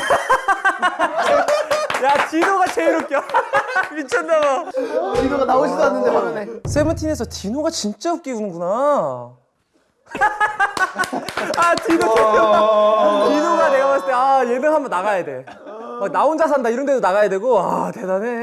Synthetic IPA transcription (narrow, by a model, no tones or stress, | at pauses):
jatinoɡat͡ɕeɾok͈jʌ | mit͡ɕʰʌndabainoɡanaoɕʰidanːɯnd͡ʑiɦamʌnesʰe̞mɯntʰine̞sʰʌtinoɡat͡ɕint͡ɕ͈aɯp̚k͈iunɯnɡuna | atinojk͈jʌt͈atinoɡane̞ɡamas͈ʰɯteaje̞nɯnɦambʌnːaɣajade̞ | ʌnaond͡ʑas̬ʰandaiɾʌnde̞donaɣajadwe̞ɡoa̰te̞dane̞